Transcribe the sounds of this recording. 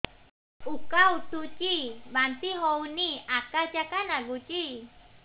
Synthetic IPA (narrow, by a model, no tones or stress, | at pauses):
ukaut̪ut͡ʃimant̪iɦɔuniakad͡ʒakanaɡut͡ʃi